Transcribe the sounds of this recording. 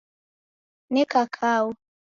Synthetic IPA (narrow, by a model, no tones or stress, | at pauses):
nɛkakʰawu